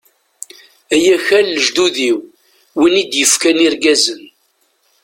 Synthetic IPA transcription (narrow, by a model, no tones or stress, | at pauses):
æjæçælːəʒd̪uðiw | winid̪jəfkæniɾɡæzən